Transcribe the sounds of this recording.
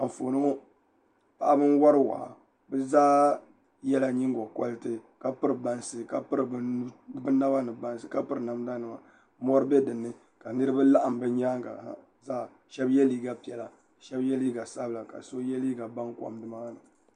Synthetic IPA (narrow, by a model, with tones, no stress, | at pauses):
a˨ɱ˨fo˨nɨ˦ɔ˦ | pa˨ʔa˦bɨ˦nwa˦ɾɨ˦wa̰ː˨a˨ | bɨ˦zaː˦ | jɛ˦la˨ɲi˦ŋɡɔ˨kɔ̰˦lɨ˦tɨ˦ka˨pɨ˦ɾɨ˨ba˨nsɨ˨ka˨pɨ˦ɾɨ˨bɨ˦bɨ˦na˦ba˦nɨ˨ba˦nsɨ˨ka˦pɨ˦ɾɨ˨na˨m˦da˦nɨ˨ma̰˨ | mɔ˦ɾɨ˦bɛ˦dɨ˨nːɨ˦ | ka˨nɨ˦ɾɨ˦ba˦la˦ʔa˨m˨bɨ˦ɲaː˦ŋɡa̰˨˦˨ | zaː˦˨ | ʃɛ˦bjɛ˦liː˦ɡa˨pi˨ɛ˨la˨ | ʃɛ˦bjɛ˦liː˦ɡa˨sa˦bɨ˨la˨ka̰˨so˦jɛ˦liː˦ɡa˨ba˦ŋkʷa̰˨mdɨ˦ma˦nɨ˨